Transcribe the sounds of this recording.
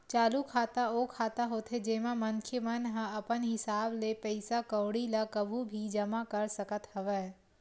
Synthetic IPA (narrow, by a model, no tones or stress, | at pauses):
t͡ʃaːlukʰaːt̪aoːkʰaːt̪aɦoːt̪ʰed͡ʒeːmamɐŋkʰjəmənɦə̃ɐpənɦɪsaːblepɛɪsakəwɽilakɐbʱubʱid͡ʒɐmakɐɾsɐkət̪ɦɐʋɛː